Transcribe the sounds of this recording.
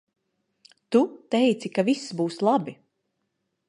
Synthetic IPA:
t̪ut̪ɛjt̪sikavisbuːslˠabi

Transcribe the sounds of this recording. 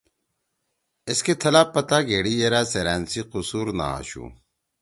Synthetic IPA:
ɪsket̪ʰɐlaːpːɐt̪aːɡeːɽijeɾaːseɾɛːnsiqusuːɾna̰a̰ɕṵː

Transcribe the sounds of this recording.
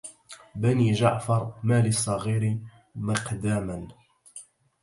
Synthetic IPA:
baniːʒaʕfɑɾˤmaːlɪsˤːɑɣiːɾi | mɪqd̪aːman

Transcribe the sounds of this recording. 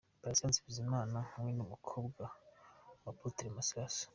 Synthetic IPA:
pɾasansibizimaːnahuŋwenumukʰo̞ːbɡa | waputiɾemasɾasḁ

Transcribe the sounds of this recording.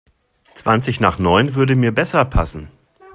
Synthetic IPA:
t͡sv̥ant͡sɪçna̰ːχnɔʏnvʏɐdəmiːɐbɛsɐpʰa̰sn̩

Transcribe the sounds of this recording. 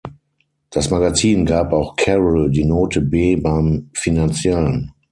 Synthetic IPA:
d̥asmaɡat͡siːnɡaːpaʊxkʰɛʁəldiːnoːtʰəbeːbaɪmfinant͡sjɛlən

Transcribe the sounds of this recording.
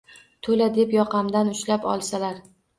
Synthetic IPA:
t̪ʰolad̪e̞pjɒqʰɑmd̪anʊʃlapɒ̰lˠsalaɾ

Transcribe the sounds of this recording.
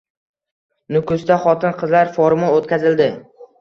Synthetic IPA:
nʊkʊst̪aχɒt̪ɪnqʰɨzlaɾfoɾmʊot̪kʲʰazɪld̪ɪ

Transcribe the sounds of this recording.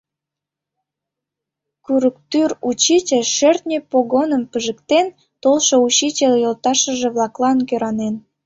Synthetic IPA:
kyɾəkt̪yrut͡ɕit͡ɕəʃørt̪nʲipoɣonəmpəʒəkt̪en | t̪olʃout͡ɕit͡ɕeljolˠt̪ɑʃəʒĕβlɑklˠɑnkøɾɑnen

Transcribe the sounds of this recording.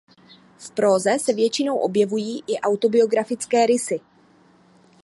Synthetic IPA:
fpɾo̞ːzɛsɛvjɛt͡ʃɪno̞wʔo̞bjɛvujiːʔɪʔawt̪o̞bɪo̞ɡɾafɪt͡skɛːɾɪsɪ

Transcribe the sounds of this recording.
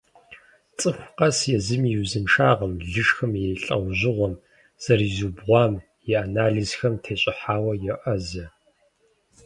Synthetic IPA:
t͡sʼɨxʷqʼɐsjɛzɨmjiwzɨmʂaːʁɐmɮɨʂxɐmjɛjɬʼɐ̰wʑɪʁʷɔm | z̥ɐriːzuːbʁʷɑːm | jɛanaːɮizxɐmtʰeːɕʼɪħaːwɐjɛʔɐzɐ

